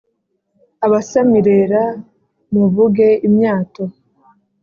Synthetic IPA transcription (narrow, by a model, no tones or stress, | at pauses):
aβasamiɾe̞ɾa | muvuɡe̞imɲaːto